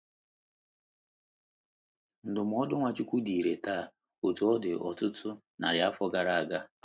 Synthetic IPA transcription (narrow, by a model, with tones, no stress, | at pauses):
n̩˨dʊ˨m̩˨˦ɔ˦dʊ˦ŋʷa˨t͡ʃu˦kʷu˦di˨i˨ɾe˨taː˦˨ | o˨tu˨ɔ˦dɪ˨ʔɔ̰˨tʊ˦tʰʊ˦ | na̰˨ɾja˦fɔ˦ɡa˨ɾa˨a˨ɡa˦